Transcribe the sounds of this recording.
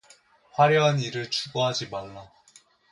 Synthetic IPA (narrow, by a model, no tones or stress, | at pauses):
ɸwaɾjʌɦaniɾɯɭt͡ɕuɡoɦad͡ʑimaɭːa